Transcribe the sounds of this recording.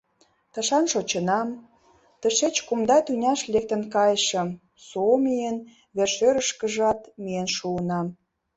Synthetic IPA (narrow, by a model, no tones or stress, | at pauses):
t̪ə̆ʃɑnʃot͡ɕə̆nɑm | t̪ə̆ʃet͡ɕkumd̪ɑt̪ynʲɑʃlek̚t̪ə̆nkɑjʃə̆m | somijən | βerʃøɾəʃkə̆ʒɑt̪mijenʃuənɑm